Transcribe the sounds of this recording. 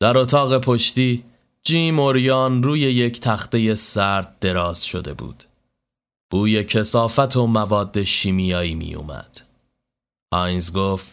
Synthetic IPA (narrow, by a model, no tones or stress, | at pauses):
d̪̥æɾo̞t̪ʰɒːɣe̞pʰo̞ʃt̪iː | d͡ʒiːmo̞ɾjɒːnruːje̞jecʰt̪ʰæxt̪e̞je̞sæɾd̪̚d̪e̞ɾɒːz̥ʃo̞̰d̪e̞̰bṵːd̪̥ | b̥uːje̞cʰe̞sɒːfæt̪ʰo̞mævɒːd̪ːe̞ʃiːmijɒːiːmḭjṵmæ̰d̪̥ | ʔɒjnzɡoːft̪